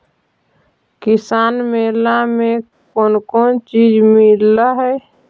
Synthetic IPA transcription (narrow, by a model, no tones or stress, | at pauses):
kɪsaːnmeːlamẽ | koːnkoːnt͡ʃiːd͡ʒmɪlːaɦɛ